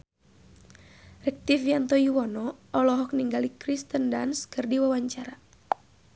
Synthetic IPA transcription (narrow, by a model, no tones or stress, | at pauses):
rɛk̚t̪ifjant̪ɔiwɔnɔɔlɔɦɔk̚niŋɡalikɾist̪əndanskɨrdiwawaɲt͡ʃaɾa